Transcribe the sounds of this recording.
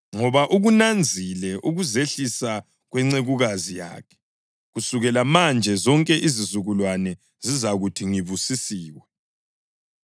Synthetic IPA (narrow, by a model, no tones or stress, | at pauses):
ŋɔβaʔuɣunand͡zʱilɛʔuɣuzeɬisa | ɣwɛŋ͡ǀeɣuɣazija̰ːkʰɛ̥ | ɣusuɣɛlamand͡ʒʱɛzɔŋkʼɛʔizizuɣulwanɛ | zizaɣutʰiŋiβusisiːwɛ